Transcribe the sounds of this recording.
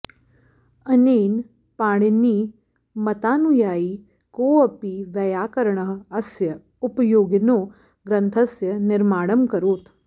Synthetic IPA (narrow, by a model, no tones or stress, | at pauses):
ɐneːn | pãːɽ̃iniː | mɐt̪aːnujaːiː | koːɐpiːʋjɐjaːkɐɾɳ̃əɦɐsjɐ | ʊpjoːɡɪnoː | ɡɾɐ̃nt̪ʰɐsjɐnɪɾmaːɽəmkɐɾoːt̪